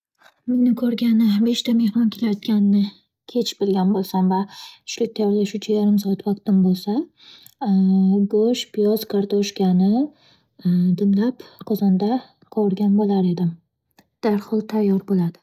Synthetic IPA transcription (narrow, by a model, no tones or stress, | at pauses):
menɪkʰɵɾɡʲanɪbe̞ʃt̪ame̞hmɒnkʲʰe̞lajɒt̪kʲanɪnɪ | kʲʰe̞t͡ʃʰɪbɪlɡʲanbolˠsamvat̪ʰʊ̥ʃlɪk̚ʲt̪ʰajɒɾlaʃut͡ʃʰajaɾɪmsɒat̪vaq̚t̪ɪmbolˠsa | ɡoʃpʰɪjɒz̥kʰaɾt̪ʰoʃkʲʰanɪ | d̪ɪmlapqʰɒzɒnd̪a | qʰoɾɡʲanbolaɾe̞d̪ɪm | d̪̥aɾhɒlˠt̪ʰajːɒɾbolad̪̥ɪ